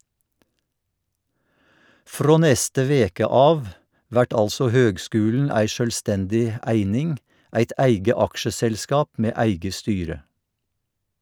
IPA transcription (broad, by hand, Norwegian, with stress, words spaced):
ˈfɾoː ˈnɛstə ˈʋeːkə ˈɑːʋ ˈʋæʈ ˈɑlsɔ ˈhøːɡˌskʉːln̩ ˈæɪ ˌʃœlˈstɛndɪ ə ˈæɪnɪŋ ˈʔæɪt ˈæɪɡə ˈɑkʃəsɛlˌskɑːp ˈmeː ˈæɪɡə ˈstyːɾə